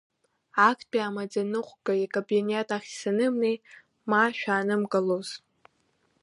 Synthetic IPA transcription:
akʰpʼiamad͡zanɨqʷɡaikʼabinetʼaχʲsanɨmnej | maʃᶣaːnɨmkʼaloz̥

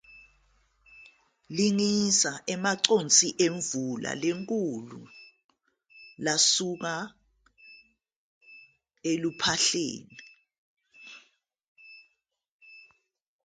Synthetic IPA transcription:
liŋisaʔɛmaǀont͡sʼiʔeɱvula̰leŋkʼulṵ | lasuk̬a | elupʰaɬḛːni

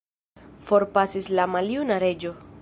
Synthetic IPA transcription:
fo̞ɾpasislamaljunaɾe̞d͡ʒo̞

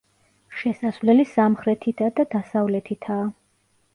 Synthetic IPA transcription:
ʃɛsasvlɛlisamχɾɛt̪ʰit̪ʰad̪ad̪asavlɛt̪ʰit̪ʰaː

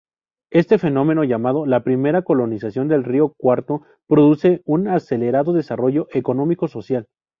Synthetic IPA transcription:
e̞st̪efe̞nõ̞me̞no̞ʝamað̞o̞lapɾime̞ɾako̞lo̞nisasjo̞nd̪e̞lrio̞kwaɾt̪o̞ | pɾo̞ðuse̞unase̞le̞ɾaðo̞ðe̞saro̞ʝo̞ʔe̞ko̞nõ̞miko̞so̞sjal

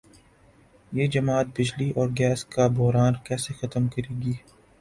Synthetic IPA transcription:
jeːd͡ʒɐmaːt̪̚bɪd͡ʒliʔɔːɾɡɛːskabʊɦɾaːnkɛːsexɐt̪əmkɐɾeːɡiː

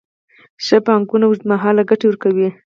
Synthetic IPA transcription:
ʃəpɑŋɡunawumaɦɑlaɡaʈewəɾkawi

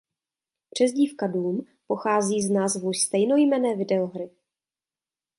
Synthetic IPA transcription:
pr̝̥ɛzɟiːfkaduːm | po̞xaːziːznaːzvowst̪ɛjno̞jmɛnɛːvɪdɛoɦɾɪ

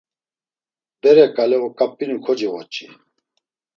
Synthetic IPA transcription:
bɛɾɛkʼalɛɔkʼapʼːinukʰɔd͡ʒiʁɔt͡ʃʼi

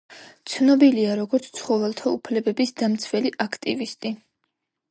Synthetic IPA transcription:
t̪sʰnɔbiliaɾɔɡɔɾt̪sʰt̪sʰχɔvɛlˠt̪ʰaupʰlɛbɛbisd̪amt̪sʰvɛliʔakʰt̪ʼivist̪ʼi

